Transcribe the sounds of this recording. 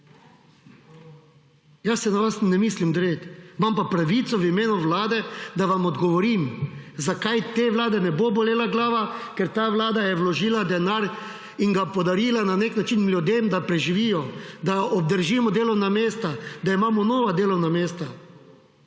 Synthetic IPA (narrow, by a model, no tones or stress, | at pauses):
jasɛnaʋasnɛmiːslimd̪ɾet̪mampapɾaʋiːt̪sɔʋimeːnuʋlaːd̪ɛd̪aʋamɔd̪ɡɔʋɔɾimzakajt̪eʋlaːd̪ɛnɛbobɔleːlaɡlaːʋakɛɾt̪aːʋlaːd̪ajɛʋlɔʒiːlad̪ɛnaɾ | iŋɡapɔd̪aɾiːlananeknat͡ʃinlʲjud̪emd̪apɾɛʒiʋiːjɔd̪aɔb̚d̪əɾʒimɔd̪eːlɔwnameːst̪ad̪aimaːmɔnoːʋad̪eːlɔwnameːst̪a